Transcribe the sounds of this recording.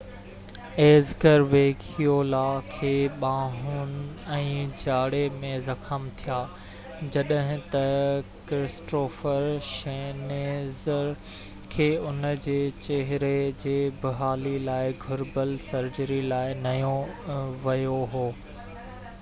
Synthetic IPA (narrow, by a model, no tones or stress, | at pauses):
eːzɡəɾʋeːkʰijoːlakʰeːɓaːɦʊn̆ɛ̃ːt͡ɕaːɽemẽzɐkʰəmt̪ʰijaː | d͡ʑɐɗəɦɪ̃t̪ɐkɾɪsʈoːfəɾʃeːneːz | kʰeːʊnəd͡ʑeːt͡ɕeɦɪɾed͡ʑeːbɪɦaːlilaːɪɡʱʊɾbəlsɐɾd͡ʑəɾilaːɪnɐjõʋɐjoɦoː